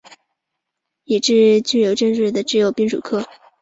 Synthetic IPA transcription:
i˨˩ʈ͡ʂɻ̩˥˧t͡ɕy˥˩jo˨˩ʊʈ͡ʂə˥˧ŋɻɻ̩˥˩d̪ə˩ʈ͡ʂɻ̩˥˩jo˨˩ʊpi˥˧ŋʂṵ˨˩kʰɤ˥˩

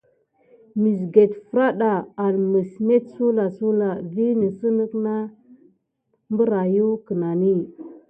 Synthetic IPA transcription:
mi˨s̬ɡe˨tfɾa˦ɗa˨a˨lmə˨sme˦tsu˦la˨su˦la˨vi˦nə˨sə˦nə˦kna˦ | mbə˦ɾa˨ju˦kə˨na˨ni˦˨

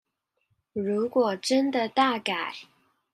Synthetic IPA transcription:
ɻu˧˥kwɔ˨˩ʈ͡ʂə˦nd̪ə˨t̪a˥˩ka˨˩˦ɪ

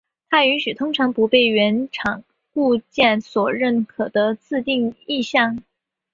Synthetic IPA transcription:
t̪ʰa˥y˧˥nɕy˨˩t̪ʰʊ˥ŋʈ͡ʂʰɑ˧˥ŋpu˧˥pe˥˩ɪɥɛ˧˥nʈ͡ʂʰɑ˨˩ŋ | ku˥˧t͡ɕjɛ˥˩nswɔ˨˩ɻə˥˩nkʰɤ˨˩d̪ə˦t͡sɹ̩˥˧t̪i˥˧ŋi˥˧ɕjɑ˥˩ŋ

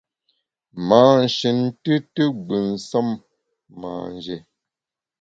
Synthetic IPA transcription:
maː˨n̩˨ʃi˨ntɨ˦tə˦ɡ͡bə˨n˨sə˦mː | a̰˨n˨d͡ʒɛ˨

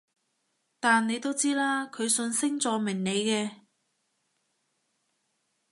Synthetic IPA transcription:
t̪aː˨nːe˨˧jt̪o˥wt͡siː˥laː˥kʰɵ˨˧ɥsɵ˧nsɪ˥ŋt͡sɔː˨˧mɪ˨˩ŋne˨˧jkɛː˧

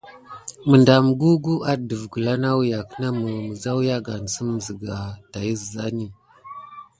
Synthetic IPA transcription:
mə˨nda˨m˨ɡu˦ɡu˦a˦ɗdə˨vɡu˨la˦na˦wja˨kə˦na˦mə˨mə˨za˦wja˦ɡa˨n˨sə˦m˨zə˨ɡa˨ta˨ji˦zə˨za˦ni˦

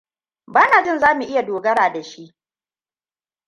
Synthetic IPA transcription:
baː˦naː˨d͡ʒɪ˦nzaː˦mu˨ʔɪ˦ja˨doː˨ɡɐ˦ɽaː˨da˨ʃi˦ʔ

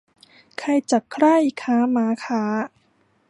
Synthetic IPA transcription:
kʰa˧jt͡ɕa˨˩kkʰɾa˥˩jkʰaː˦˥maː˨˦˥kʰaː˦˥

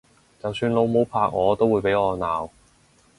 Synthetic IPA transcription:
t͡sɐ˨wsyː˧nlo˨˧wmo˨˥wpʰaː˧k̚ŋɔː˨˧t̪o˥wːuː˨˧jpe˨˥jŋɔː˨˧naː˨w

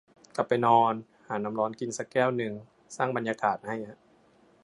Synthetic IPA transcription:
kla˨˩pːa˧jnɔː˧n | haː˩˦na˧mlɔː˧nki˧nsa˧˥kːɛː˥˩wnɯ˨˩ŋ | saː˥˩ŋba˧njaː˧kaː˨˩t̪̚ha˥˩jha˧ʔ

